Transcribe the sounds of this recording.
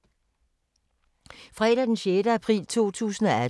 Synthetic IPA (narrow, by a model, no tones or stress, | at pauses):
fʁɛːɾ̥æd̥enɕeɾəæpʰʁḭːlt͡sʰo̝̰ːt͡sʰṵːsn̩ɒ̽æ